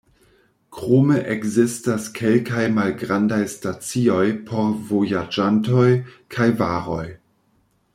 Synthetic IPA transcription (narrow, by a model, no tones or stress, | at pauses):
kʁomeʔekzistaskʰelkajmalɡɾandajstat͡sio̞jpʰo̞ɾvojad͡ʒanto̞jkʰajvaɾo̞j